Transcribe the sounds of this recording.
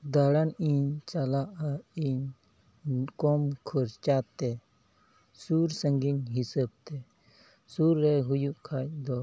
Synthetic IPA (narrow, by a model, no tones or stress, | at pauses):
d̪aɽaniɲt͡ʃalaʔaiɲ | kɔmkʰɔɾt͡ʃat̪ɛ | suɾsəŋɡiɲɦisəb̚t̪ɛ | suɾːɛɦujuʔkʰac̚d̪ɔ